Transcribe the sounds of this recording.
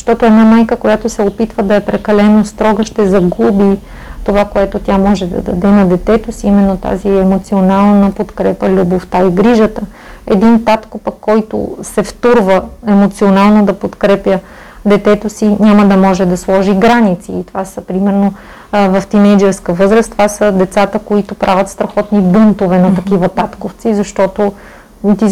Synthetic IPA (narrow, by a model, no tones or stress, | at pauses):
zɐʃt̪ɔt̪oɛd̪namajkəkojat̪osɛopit̪vəd̪ɐɛpɾɛkɐlɛnost̪ɾɔɡəʃt̪ɛzɐɡubi | t̪ovakoɛt̪ot̪ʲjamɔʒɛd̪ɐ̰d̪ɐd̪ɛnɐd̪ɛt̪ɛt̪osiimɛnːot̪a̰ziɛmot̪sionalˠnəpot̪kɾɛpəlʲuboft̪aiɡɾiʒət̪ə | ɛd̪int̪at̪kopəkːɔjt̪o̰sɛft̪uɾvəɛmot̪sionalˠnod̪ɐpot̪kɾɛpjə | d̪ɛt̪ɛt̪osiɲʲaməd̪ɐmɔʒɛd̪ɐslˠɔʒiɡɾanit̪sḭːt̪ovasəpɾimɛɾno | vɐft̪inɛd͡ʒ̪əskəvɤzɾəst̪ovasəd̪ɛt̪sat̪əkoit̪ʊpɾʔavʲət̪st̪ɾɐxɔt̪nibunt̪ovɛnɐt̪ɐkivət̪at̪koft̪sizɐʃt̪ɔt̪o | t̪i